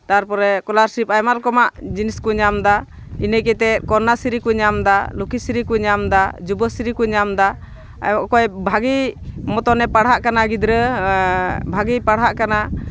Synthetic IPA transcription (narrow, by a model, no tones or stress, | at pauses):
t̪aɾpɔɾɛkɔlaɾsɾip̚ajmalkɔmaʔd͡ʒiniskuɲamd̪a | inəkɛt̪ɛt̪̚kɔɾnasiɾikuɲamd̪alukisiɾikuɲamd̪ad͡ʒubəsiɾikuɲamd̪a | kɔjbʱaɡimɔt̪ɔnɛpaɽɦaʔkanaɡid̪ɾə | bʱaɡipaɽɦaʔkana